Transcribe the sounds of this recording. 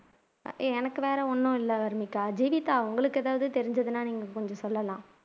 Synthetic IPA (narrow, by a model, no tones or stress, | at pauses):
eɛnɐkːɯʋeːɾɐɔnːʊ̃ɪlːɐʋɐɾɯmɪkːaːd͡ʒiːʋɪt̪ːaːʊŋɡɐɭɯkːɛðaːʋɐðɯt̪ɛɾɪɲd͡ʒɐðɯnaːniːŋɡɐkɔɲd͡ʒɔ̃sɔlːɐlãː